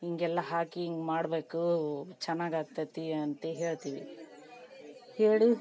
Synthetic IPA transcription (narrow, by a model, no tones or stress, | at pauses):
iŋɡɛlːɐɦaːkiŋɡmaːɽbeːkut͡ʃɛnːaːɡaːɡ̚t̪ɐt̪iɐnt̪eɦeːɭt̪iːʋḭ | heːɽi